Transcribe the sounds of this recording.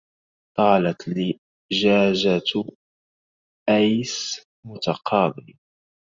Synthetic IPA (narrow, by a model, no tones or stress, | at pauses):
t̪ˤɑːlat̪lɪ | ʒaːʒat̪ | ʔajs | mʊt̪aqʰɑːb̪ɪl